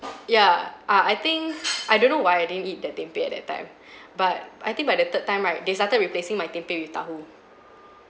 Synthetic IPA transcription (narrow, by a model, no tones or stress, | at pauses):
jaʔaajt̪ĩŋkʔajdõnːowajajdidə̃nit̚dətɛ̃mpeɛt̚dɛttːã̰ɪ̃m | bat̚ʔa̰jt̪ĩŋk̚bajdət̪ət̚tːãɪ̃mɹaɪt̚destatət̚ɹiplesĩŋmajt̪ɛ̃mpewift̪a̰ɦu